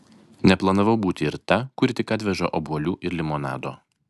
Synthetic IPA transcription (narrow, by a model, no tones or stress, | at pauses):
nʲɛplˠɐnɐʋɐʊbuːt̪ʲɪɪɾt̪ɐkʊɾʲɪt̪ʲɪkɐt̪ʲʋʲɛʒɐʔobuɔlʲuːʔɪɾlʲɪmonɑ̰ːd̪o̰ː